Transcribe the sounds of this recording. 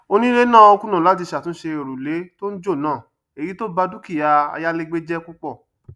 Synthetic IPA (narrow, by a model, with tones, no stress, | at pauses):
o˧nĩ˦ɾe˦nã˦˨o˧kũ˦nã˨la˦t̬i˧ʃa˨tũ˨˦ʃe˧e˨ɾu˨le˨˦to˦n̩˦d͡ʒo˦˨nãː˦˨ | e˨ɾi˨˦to˦ba˧du˦ki˦˨a˧a̰˧ja˦le˦ɡ͡be˦d͡ʒɛ˦ku˦k͡pɔ˦˨